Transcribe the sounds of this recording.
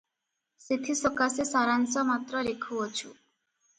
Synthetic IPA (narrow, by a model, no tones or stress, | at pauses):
set̪ʰisɔkasesaɾansɔmat̪ɾɔlekʰuɔt͡ʃʰu